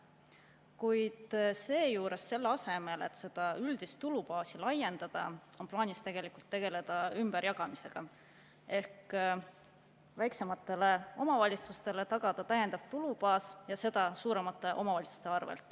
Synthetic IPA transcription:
kujd̪̥se̞ːjuːɾe̞sːe̞lːeɑse̞me̞le̞t̪ːse̞d̪̥ɑyld̪̥ist̪t̪ulupɑːsilɑje̞nd̪̥ɑd̪̥ɑ̰o̞nplɑːnist̪e̞ɡ̥e̞likult̪ːe̞ɡ̥e̞le̞d̪̥ɑymb̥əɾjɑɡ̥ɑmise̞ɡ̥ɑ | e̞hk | væjkse̞mɑt̪ːˑe̞le̞o̞mɑvɑlʲit̪sust̪e̞let̪ɑɡ̥ɑd̪̥ɑt̪æjend̪ɑvt̪ulubɑːsjɑse̞d̪̥ɑsuːɾe̞mɑt̪ːˑe̞ʔo̞mɑvɑlʲit̪su̥st̪e̞ɑrvḛlt̪ːˑ

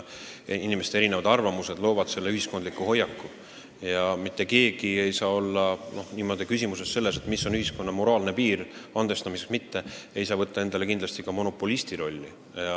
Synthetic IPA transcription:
inimest̪eɾine̞vɑd̪ɑrvɑmuse̞d̪̥lo̞ːvɑd̪̥se̞lːe̞yɦisko̞nd̪likːˑuho̞jːɑkːu | jɑmit̪ːe̞ke̞ːɡ̥ie̞jsɑːo̞lːɑno̞hniːmo̞d̪ikysimusesse̞lːe̞s̬e̞t̪ˑmisːo̞nyhisko̞nːɑmo̞ɾɑːlne̞piːrɑnd̪̥e̞st̪ɑmiseksmit̪ːe̞e̞jsɑːvɤt̪ːɑe̞nd̪ɑle̞kind̪lɑst̪ikɑmo̞no̞pːˑolist̪iɾo̞lʲːi | ɑ

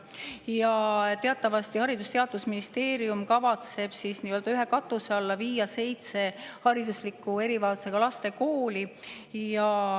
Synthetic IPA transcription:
jɑt̪e̞ɑt̪ːˑɑvɑst̪ihɑɾid̪ust̪eɑd̪̥usminist̪e̞ːɾiumkɑvɑt̪se̞b̥sisniːøld̪ɑyɦe̞kɑt̪ːˑuse̞ɑlːɑviːjɑse̞jt̪se̞hɑɾid̪uslikːˑue̞ɾivɑːlseɡ̥ɑlɑst̪e̞ko̞ːlijɑ

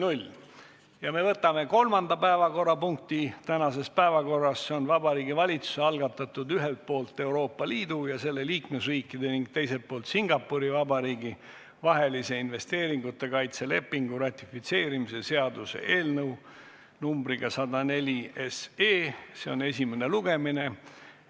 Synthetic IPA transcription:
nulʲ | jɑme̞vɤt̪ːˑɑme̞ko̞lmɑnd̪ɑpæevɑko̞rːɑpuŋk̚t̪it̪ænɑse̞spæevɑko̞rːɑsːeo̞nvɑbɑɾiːɡivɑlʲit̪su̥seɑlɡɑt̪ːˑɑt̪ːud̪yɦe̞lt̪̚po̞ːlt̪ːˑe̞wɾo̞ːpːɑliːd̪̥ujɑse̞lːe̞liːkme̞sriːkːˑid̪̥e̞niŋɡ̥̚t̪e̞jselt̪̚po̞ːlt̪siŋɡ̥ɑpːuɾivɑbɑɾiːɡi | vɑɦe̞lise̞inve̞st̪e̞ːɾiŋɡ̥ut̪ːˑe̞kɑjt̪se̞le̞pːiŋɡ̥uɾɑt̪ʲːˑifit̪se̞ːɾimise̞se̞ɑd̪use̞̰ʔe̞ːlnəw | numbɾiɡ̥ɑsɑd̪ɑne̞lʲieseːse̞o̞ne̞sʲime̞ne̞luɡ̥e̞mine̞

